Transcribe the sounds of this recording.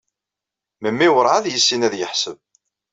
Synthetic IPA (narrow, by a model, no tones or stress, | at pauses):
məmːiwəɾˤʕaðjəsːinæðjəħsəv